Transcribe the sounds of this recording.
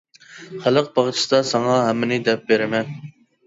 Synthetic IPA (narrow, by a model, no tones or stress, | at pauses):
χælˠəq̚bɑʁt͡ʃʰi̥sd̪ɑsɑŋɑɦɛmːɪnɪd̪ɛp̚beɾɪmɛn